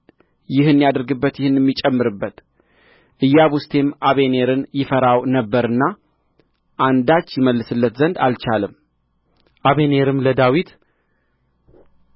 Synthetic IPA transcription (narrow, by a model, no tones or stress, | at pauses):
jɪhɨnːijad̪ɨɾɡɨbːət̪jɪhɨnːjɛmːit͡ʃʼɛmːɨɾɨbːət̪ | ʔɨjːaβust̪ʰe̞mʔaβe̞ne̞ɾɨnjɪfəɾawnəbːəɾɨnːa | ʔand̪at͡ʃːjɪməlːɨsɨlːət̪zənd̪alt͡ʃalɨm | ʔaβene̞ɾɨmləd̪awit̪